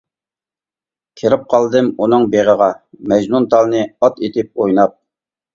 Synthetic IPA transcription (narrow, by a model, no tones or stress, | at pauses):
kʲʰeɾɪp̚qʰɑlˠd̪ɨmunɨŋbeʁəʁɑmɛd͡ʒnunt̪ʰɑlˠnɨɑt̪et̪ɪp̚ojnɑp̚